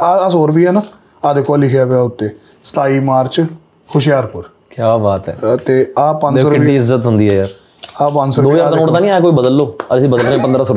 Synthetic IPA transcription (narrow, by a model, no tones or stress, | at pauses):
aːəsoːɾbiːɦɛːnaː | aːd̪eːkɔːlːɪkʰjaːʋeaːʊt̪ːeː | sə̥t̪aːiːmaːɾt͡ʃ | kʰʊʃjaːɾpʊɾ | kjaːbaːt̪ɛ̰ːt̪eːaːpə̃nssəɾɪiiːɪzːət̪ɦʊnd̪iːɦɛːjaːɾ | aːpə̃nsəɾd̪oːad̪oːɽt̪ãnĩːaːkoːiːbəd̪əlːoːəsĩːbəd̪əlnẽpənd̪ɾaːsoɾ